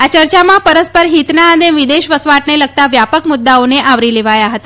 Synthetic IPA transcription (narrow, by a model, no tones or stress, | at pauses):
at͡ʃəɾt͡ʃamãpəɾəspəɾɦit̪naəd̪eʋɪd̪eʃʋəsʋaʈneləɡ̚t̪aʋjapəkmʊd̪ːaoneʔaʋɾileʋajaɦət̪a